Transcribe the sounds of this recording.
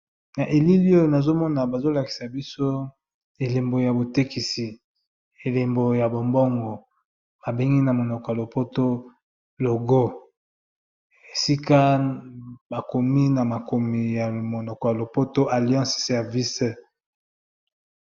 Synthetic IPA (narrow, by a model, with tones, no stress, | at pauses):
na˨ʔe˨li˦li˦o˦jo˨na˨zo˦mɔ˦na˨ba˨zo˦la˨ki̥˨sa˨bi˦so˦ | e˨le˨mbo˨ja˨bo˨te˦ki˨si˨ | e˨le˨mbo˨ja˨bo˨mbɔ˦ŋɡɔ˨ | b̥a˨be˦ŋɡi˦na˨mo˨nɔ˨kɔ˨ja˨lo˨po˦to˦ | lo˨ɡo˦ | e˨si˦ka˦ | ba˨ko˨mi˦na˨ma˨ko˨mi˨ja˨mo˨nɔ˨kɔ˨ja˨lo˨po˦to˦ʔa˨ljɑ̃˦ssɛ˨ʁvi˦s